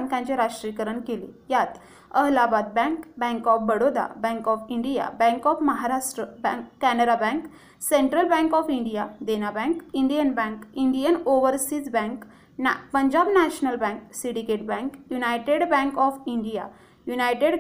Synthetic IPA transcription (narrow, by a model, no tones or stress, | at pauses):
ŋkãnt͡ɕeɾaʂʈɾikəɾəɳkelijat̪ | əɦlabad̪̚bɛ̃ŋkbɛ̃ŋkɔfbəɽod̪a̰bɛ̃ŋkɔfiɳɖija̰bɛ̃ŋkɔfməɦaɾaʂʈɾəbɛ̃ŋkːænəɽabɛ̃ŋk | sẽɳʈɾəlbɛ̃ŋkɔfiɳɖijad̪enabɛ̃ŋkiɳɖijənbɛ̃ŋkiɳɖijənoʋəɾsit͡sbɛ̃ŋk | pəɲd͡ʑabnæɕnəlbɛ̃ŋksiɽikeʈ̚bɛ̃ŋkjunajʈeɽbɛ̃ŋkɔfiɳɖija̰ | junajʈeɽ